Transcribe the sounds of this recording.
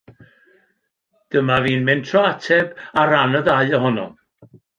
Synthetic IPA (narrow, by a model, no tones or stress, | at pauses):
d̥əmaviːnmɛntʰrɔatʰɛbaɾanəðaɨəɦɔnɔ̰